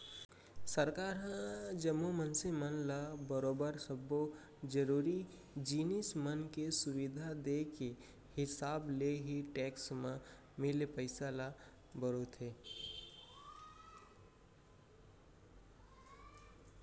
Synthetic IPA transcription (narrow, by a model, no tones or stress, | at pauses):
səɾkaːɾɦãd͡ʒəmːomənsemənlabəɾoːbəɾsəbo | d͡ʒəɾuːɾi | d͡ʒiːnismənkesʊwɪd̪ʱad̪eke | hɪsaːbleɦiʈɛːksmã | mɪlpəɪsala | bəɾot̪ʰɦeː